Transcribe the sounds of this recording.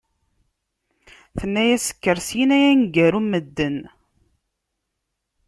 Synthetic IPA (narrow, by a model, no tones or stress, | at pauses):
θənːæjæsə̥kːəɾsjinæjænɡæɾumːəd̪ːən